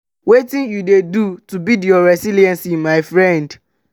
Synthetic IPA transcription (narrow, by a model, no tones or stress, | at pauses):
wetĩnjudedutubidjɔɹɛsiliɛ̃nsĩnmaɪfɹɛ̃nd